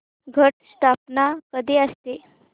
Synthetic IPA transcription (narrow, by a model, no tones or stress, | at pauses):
ɡʱəʈsʈ̪apnakəd̪eəst̪e